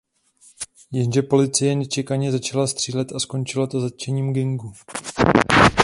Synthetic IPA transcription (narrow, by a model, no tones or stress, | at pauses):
jɛnʒɛpo̞lɪt͡sɪjɛnɛt͡ʃɛkaɲɛzat͡ʃalast̪r̝̥iːlɛt̪asko̞nt͡ʃɪlat̪o̞zat̪̚t͡ʃɛɲiːmɡɪŋɡu